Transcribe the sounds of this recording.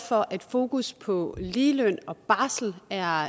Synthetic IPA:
fɒ̽ʔæd̥fo̝ːkuspʰɒ̽liːløn̰ɒ̽b̥ɑ̈ːsl̩æɐ

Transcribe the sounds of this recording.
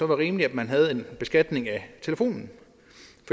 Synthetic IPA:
ɒ̽ʋɑʁiːmliæd̥mænɦæð̞̩ˠe̝nb̥e̝sɡ̥æd̥ne̝ŋæt͡sʰe̝ləfo̝̰ːnn̩ | fɒ

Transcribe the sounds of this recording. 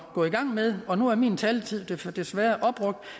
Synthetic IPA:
ɡ̥ɔ̰iɡ̥ɑ̈ŋ̰með̞ˠɒ̽nuæɐmḭːnt͡sʰɛːlt͡sʰið̰ˠd̥ed̥e̝sʋæːɐʔɒ̽b̥ʁɔ̽ɡ̥̚d̥

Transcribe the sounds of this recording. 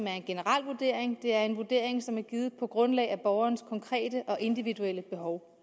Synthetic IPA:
mæɐe̝nɡ̥e̝nəʁɑ̈l̰ʋuɐd̥e̝̰ɐ̰eŋd̥e̝æɐe̝nʋuɐd̥e̝̰ɐ̰eŋsɒ̽mæɐɡ̥iːð̞̩ˠpʰɒ̽ɡ̥ʁɔ̽nlɛ̰ɪæb̥ɒʊɐːnskʰɒ̽ŋkʰʁɛ̰ːd̥əʔɒ̽ʔe̝nd̥iʋid̥uel̰əb̥e̝ɦɒʊ

